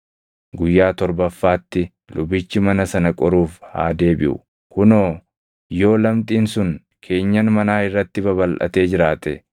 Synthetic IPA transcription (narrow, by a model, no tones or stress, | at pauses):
ɡʊjːaːt̪ɔɾbɐfːaːt̪ːɪ | lʔʊbɪt͡ʃːɪmɐnɐsɐnɐkʼɔɾuːfha̰ːd̪e̞ːbɪ̰ʔʊ̰ | kʊnoː | jo̞ːlɐmt̪ʼiːnsʊn | kʰe̞ːɲːɐnmɐnaːɪrːɐt̪ːɪbɐβɐlʔɐ̰t̪e̞ːd͡ʒɪɾaːt̪ɛ